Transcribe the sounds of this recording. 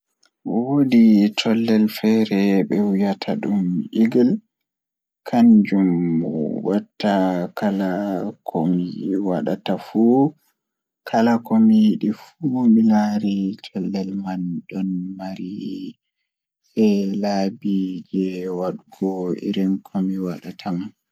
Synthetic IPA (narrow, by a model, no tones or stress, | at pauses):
woditʰɔlːɛlfɛɾɛɓɛwijatʰaɗumʔiɡil | kʰaɲd͡ʒum | watːakalakʰomiwa̰ɗa̰tafu | kʰalakomijɗifumilaɾitʰɔlːɛlmanɗɔnmaɾi | ɓɛlabid͡ʒɛwaɗuɡɔḭɾinkʰɔmiwaɗatʰaman